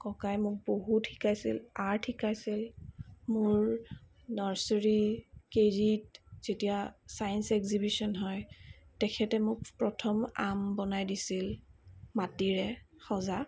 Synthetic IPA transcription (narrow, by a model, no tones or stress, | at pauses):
kɔkajmʊk̚boɦutʰi̥kajsḭlaɹtʰikajsilmʊɹ | nɔɹsɔɹikeɹitz̥etijasajnsɛkzibisɔnɦɔjtɛkʰɛtɛmʊkpɹɔtʰɔma̰mbɔnajdisilmatiɹɛ | xɔza